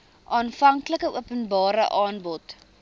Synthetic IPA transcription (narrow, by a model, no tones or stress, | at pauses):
ʔɑːnfɐŋkləkəuəpənbɑːɾəʔɑːnbɔt